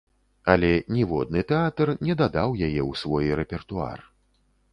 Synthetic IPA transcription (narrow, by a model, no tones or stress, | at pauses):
alʲɛnʲɛvɔ̰d̪̚nɨt̪ɛat̪ɐrnʲɛd̪ad̪awjajɛwsvɔjrɛpʲɛrt̪ua̰r